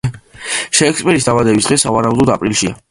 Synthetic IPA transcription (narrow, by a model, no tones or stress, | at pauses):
ʃɛːkspʼɛɾisd̪avad̪ɛbisd̪ʁɛsavaɾaud̪ɔd̪a̰pʼɾilˠʃia̰